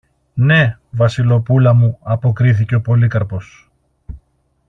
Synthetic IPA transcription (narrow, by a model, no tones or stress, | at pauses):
ne̞vɐsilo̞pulɐmuɐpo̞kɾiθice̞o̞po̞likɐɾpo̞s